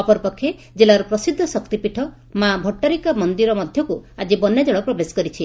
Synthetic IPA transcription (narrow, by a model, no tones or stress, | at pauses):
ɔpɔɾpɔkʰːe | d͡ʒelaɾupɾɔsid̪ʱːɔsɔkt̪ipiʈʰɔ | mabʱɔʈːaɾikamɔnd̪iɾɔmɔd̪ʱjɔkuad͡ʒibɔnjad͡ʒeɭɔpɾɔbesɔ̥kɔɾit͡ʃʰi